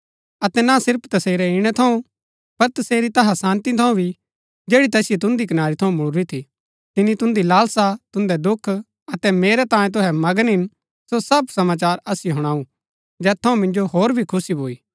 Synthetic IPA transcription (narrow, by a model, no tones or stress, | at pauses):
ɐt̪ɛnasɪɾpʰt̪ɐseːɾɛɪɽ̃ɛt̪ʰɐũ | pɐɾt̪ɐseːɾit̪ɐɦasãːnt̪it̪ʰɐũbʱi | d͡ʒeːɽit̪ɛːsɪjet̪ʊ̃nd̪ikɐnaːɾit̪ʰɐũmʊɽɾit̪ʰi | t̪ɪnːit̪ʊ̃nd̪ilaːlsat̪ʊ̃nd̪ɛd̪ʊkʰ | ɐt̪ɛmeːɾɛt̪ãːjẽt̪̬ʊɦɛmɐɡənɦɪn | sosɐb̚sɐmaːt͡ʃaːɾɐsijɦʊɽ̃aːũ | d͡ʒɛːt̪ʰːɐũmɪ̃nd͡ʒoɦoːɾbʱikʰʊsibʱoːiː